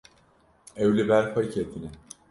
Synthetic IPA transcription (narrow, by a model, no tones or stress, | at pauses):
evlʲibæɾfacʰet̪ʰinɪ